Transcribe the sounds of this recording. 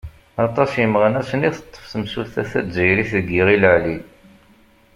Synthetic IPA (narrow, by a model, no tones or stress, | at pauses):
ɑt̪ˤɑsjəmʁənæsəniθət̪ˤːə̥fθəmsulθæθæzəjɾiθðəɡːiʁiləʕlil